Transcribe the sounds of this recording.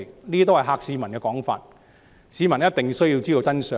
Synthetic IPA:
niː˥t̪̬whɐ˨˩ɦaː˧k̚siː˧mɐ˨˩nkɛː˧kɔː˨˥ŋfa̰ː˧t̚ | siː˧mɐ˨˩njɐ˥t̚t̪ɪ˨ŋ˧sɵ˥ɥji˧wt͡siː˥d̪o˧wt͡sɐ˥nsœː˨˧

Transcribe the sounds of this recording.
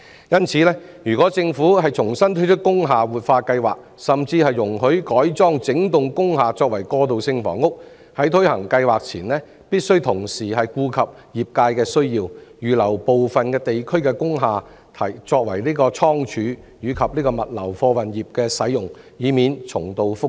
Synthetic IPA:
jɐ˥nt͡sʰiː˨˦lɛː˥ | jyː˨˩kɔː˨˥t͡sɪ˧ŋfuː˨˥ɦɐ˨jt͡sʰʊ˨˩ŋsɐ˥nt̪ʰɵ˥t͡ʃʰɵ˥t̚kʊ˥ŋɦaː˨wuː˨t̚faː˧kɐ˧jwa̰ː˨k̚ | sɐ˨mt͡siː˧hɐ˨jːʊ˨˩ŋɦɵ˨˥ɥkɔː˨˥jt͡sɔː˥ŋt͡sɪ˨˥ŋt̪ʊ˨ŋkʊ˥ŋɦaː˨t͡sɔː˧k̚wɐ˨˩jkɔː˧t̪o˨wsɪ˧ŋfɔ̰ː˨˩ŋʊ˥k̚ | hɐ˨˥jt̪ʰɵ˥ɥhɐ˨˩ŋkɐ˧jwaː˨k̚t͡sʰiː˨˩nlɛː˥ | piː˥t̚sɵ˥ɥt̪ʰʊ˨˩ŋsiː˨hɐ˨jkuː˧kʰɐ˨p̚ | jiː˨p̚kaː˧jkɛː˧sɵ˥ɥjiː˧wjyː˨lɐ˨˩wpo˨wfɐ˨nkɛː˧t̪e˨jkʰɵ˥ɥkɛː˧kʊ˥ŋɦaː˨ | t̪ʰɐ˨˩jt͡sɔː˧k̚wɐ˨˩jliː˥kɔː˧t͡sʰɔː˥ŋt͡ʃʰyː˨˧˥ | jyː˨˥kʰɐ˨p̚liː˥kɔː˧mɐ˨t̚lɐ̰˨˩wfɔː˧wɐ˨njiː˨p̚kɛː˧sɐ˨˥jjʊ˨˩ŋ | jiː˨˥miː˨nt͡sʰʊ̰˨˩ŋt̪o˨˧wfʊ˥

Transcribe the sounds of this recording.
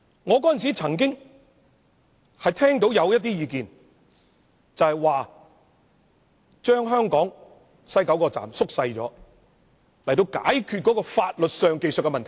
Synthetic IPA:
ŋɔː˨˧kɔː˨˥ɐ˨ns̬i˨˥t͡sʰɐ˨˩ŋk̬ɪ˥ŋ | hɐ˨jt̪ʰɛː˥ŋt̪̬o˨˥wjɐ˨˧wjɐ˥t̚t̪iː˥jiː˧kiː˨n | t͡sɐ˨whɐ˨jwaː˨ | t͡ʃœː˥ŋɦœː˥ŋkɔː˨˥ŋ | sɐ˥jkɐ˨˥wkɔː˧t͡sa̰ː˨msʊ˥k̚sɐ˧jt͡ʃɔ̰ː˨˥ | lɐ˨˩jt̪o˧wka̰ː˨˥jkʰy˧t̚kɔ˨˥kɔː˧faː˧t̚lɵ˨t̚sœː˨˧ŋke˨˧jsɵ˨t̚kːɛ˧mɐ˨nt̪ʰ

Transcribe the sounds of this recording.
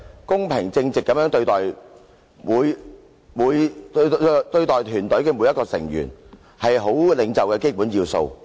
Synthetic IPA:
kʊ˥ŋpʰɪ˨˩ŋt͡sɪ˧ŋt͡sɪ˨kːɐ˨˥mjœː˨˥ŋt̪ɵ˧ɥt̪ɔː˨j | wuː˨˧j | muː˨˧jt̪t̪ɵ˧ɥt̪ɔː˨jt̪ʰyː˨˩nt̪ɵ˨˥ɥkɛ˧mu˨˧˥jɐ˥kɔː˧sɪ̰˨˩ŋjy̰ː˨˩n | hɐ˨jɦo˨˥wlɪ˨˥ŋt͡sɐ˨wkɛ˧ke˥jpuː˨˥njiː˧wso̰˧w

